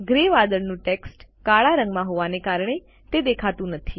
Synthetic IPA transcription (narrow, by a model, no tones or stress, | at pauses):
ɡɾeʋad̪əɭnũʈeksʈkaɭaɾəŋɡmãɦoʋanekaɾɳ̃e | t̪ed̪ekʰat̪ũnət̪ʰi